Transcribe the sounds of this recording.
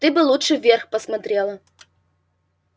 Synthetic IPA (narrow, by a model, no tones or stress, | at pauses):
t̪ɨbɨlˠutʂɨvʲerxpɐsmɐt̪ɾʲelˠɐ